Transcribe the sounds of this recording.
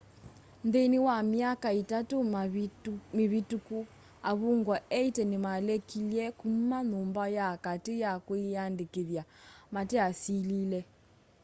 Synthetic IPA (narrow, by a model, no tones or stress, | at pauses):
nðeniwamiakaitatu | meβituku | aβuŋɡwɔɛitɛnimalɛkʰiljɛkum̩manumbajakatejakuiandekeðjamatɛasililɛ